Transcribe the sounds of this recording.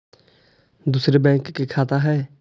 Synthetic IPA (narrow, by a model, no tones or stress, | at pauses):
d̪ʊsɾeːbɛ̃ːŋkːekʰaːt̪aɦɛː